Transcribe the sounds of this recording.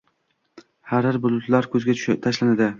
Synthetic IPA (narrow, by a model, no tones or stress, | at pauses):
haɾɪɾbʊlˠʊt̪laɾkʲʰɵzɡʲat̪ʰaʃlanad̪ɪ